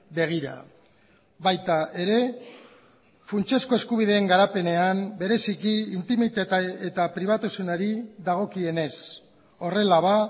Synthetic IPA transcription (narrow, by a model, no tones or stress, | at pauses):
be̞ɣ̞iɾa̰ | βajt̪aʔe̞ɾe̞ | funt͡ʃe̞sko̞e̞skuβ̞ið̞e̞ːŋɡaɾape̞ne̞ambe̞ɾe̞sikiint̪imit̪at̪aet̪apɾiβ̞at̪usunaɾiðaɣ̞o̞kie̞ne̞s | o̞re̞laβa